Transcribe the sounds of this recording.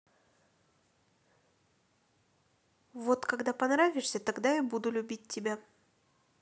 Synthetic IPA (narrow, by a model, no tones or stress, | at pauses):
vo̞t̪kɐɡd̪apɐnɾavʲɪʂsʲət̪ɐɡd̪ajabud̪ʊlʲʉbʲit̚ʲtʲːɪbʲa